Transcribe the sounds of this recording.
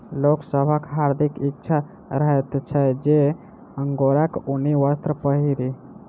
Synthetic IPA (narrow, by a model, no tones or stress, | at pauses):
loksəbʱəkɦaɾd̪ʱikikt͡ʃʰa | ɾəɦɛt̪t͡ʃʰəjd͡ʒe | əŋɡoɾəkuniʋəst̪ɾəpəɦiɾi